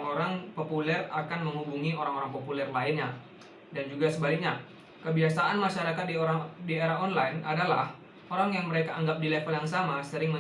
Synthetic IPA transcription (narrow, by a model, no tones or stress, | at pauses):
oɾaŋpopulɛrakanməŋhubuŋioɾaŋoɾaŋpopulɛrlaɪnɲa | dand͡ʒuɡasəbalɪk̚ɲa | kəbiasaʔanmaʃaɾakat̪̚didieɾaɔnlajna̰dalah | oɾaŋjaŋməɾekaʔːŋɡap̚dilɛfəljaŋsamasəɾɪŋmə